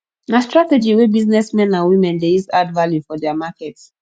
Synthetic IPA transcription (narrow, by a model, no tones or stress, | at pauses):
nastɹatɛd͡ʒiwebiznɛsmɛ̃nãnwĩmɛ̃ndejuzadvaljufɔdɛamakɛts